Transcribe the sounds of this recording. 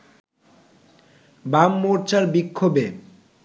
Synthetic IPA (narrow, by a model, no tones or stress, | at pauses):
bamːoɾt͡ɕaɾbikʰːobe